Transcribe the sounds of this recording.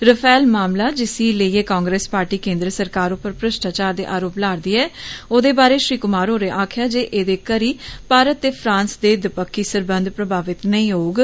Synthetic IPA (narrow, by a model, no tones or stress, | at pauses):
ɾəpʰɛːlmaːmlaːd͡ʒɪsiːləieːkɔ̃ːŋɡɾeːspaːɾʈiːkẽːnd̪ɾəsəɾkaːɾopəɾpɾəʃʈaːt͡ʃaːɾd̪ḛːʔaːɾoːplaːɾd̪iːɛːoːd̪eːbaːɾeːʃɾiːkʊmaːɾɦoːɾeːʔaːkʰjaːd͡ʒeːʔeːd̪eːkəɾiːpaːɾət̪ːeːpʰɾãːnsd̪eːd̪ɪpəkːiːsəɾbənd̪pɾəbʱaːʋɪt̪nə̃ĩːɦoːɡ